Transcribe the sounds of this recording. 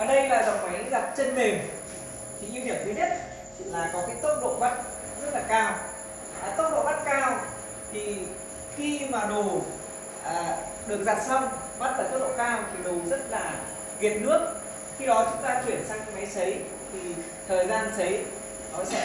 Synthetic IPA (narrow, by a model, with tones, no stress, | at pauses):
vaː˨˩ɗə˧jlaː˨˩za˨˩wŋ͡mma˨˦jza˨˩t̚t͡ɕe˧nmï˨˩ŋ̟ | t̪ʰi˨˦ŋʔi˧hi˨˩əfʰi˨˦ɗi˦˥ət̚ | t͡ɕḭ˧˨laː˨˩jkɔ˨˦kaː˨˦jt̪o˦˥t̚ɗo̰˧˨ɓa˦˥t̚ | zt̚laː˨˩kaː˧˩w | t̪o˦˥t̚ɗo̰˧˨ɓa˦˥t̚kaː˧w | t̪ʰi˨˩ | xi˧maː˨˩ɗo˨˩ | ʔəː˨˩ | ɗɨ˨˩ək̚za˨˩t̚sa˧wŋ͡mɓa˦˥t̚laː˨˩t̪o˦˥tɗo̰˧˨kaː˧wt̪ʰi˨˩ɗo˨˩zə˦˥t̚laː˨˩ | ɣi˨˩ət̚nɨ˦˥ək̚ | xi˧ɗɔ˨˦t͡ɕʊ˨˦ŋ͡mt̪aː˧t͡ɕwi˧˩ənsaː˧ŋɲ̰˨˦ma˨˦jsə˨˦j | t̪ʰi˨˩ | t̪ʰəː˨˩jzaː˧nt̪ʰə˨˦j | nɔ˨˦sɛ̰˧˥